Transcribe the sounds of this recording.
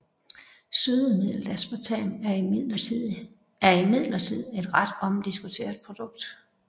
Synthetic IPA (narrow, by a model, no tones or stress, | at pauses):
søðˠəmið̰ˠld̥æsb̥ɑt͡sʰɛ̰næɐi | æɐimið̰ˠlɐt͡sʰið̰ˠe̝d̥ʁad̥ɒ̽md̥isɡ̥ut͡sʰe̝̰ːɐðˠpʰʁo̝d̥ɔ̽ɡ̥̚d̥